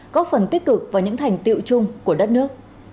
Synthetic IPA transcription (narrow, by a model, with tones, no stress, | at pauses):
kɔ˨˦fə˨˩nt̪i˦˥k̚kɨ˨˩k̚vaː˨˩ɲɨ̰˧˥ŋt̪ʰa˨˩jŋ̟t̪ḭ˧˨wt͡ɕʊ˧ŋ͡mku˧˩əɗə˦˥t̚nɨ˦˥ək̚